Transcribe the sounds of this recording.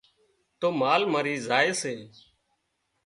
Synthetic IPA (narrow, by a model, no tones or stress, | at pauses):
t̪oːmaːlmaːɾiːzaːeːseː